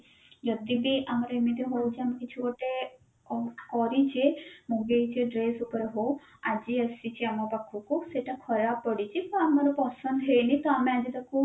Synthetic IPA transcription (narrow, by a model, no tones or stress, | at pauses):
d͡ʒɔd̪ibiʔamaɾɔimid̪ʱeɦɔjt͡ʃeamekit͡ʃʰukɔʈe | ɔkɔɾit͡ʃʰemuɡejt͡ʃʰiɖɾesupɔɾeɦow | ad͡ʒiəsit͡ʃʰiamɔpakʰukuseʈakʰɔɾapɔɽit͡ʃʰibɔamɔɾɔpɔsɔnd̪ɦejnit̪ɔamead͡ʒit̪aku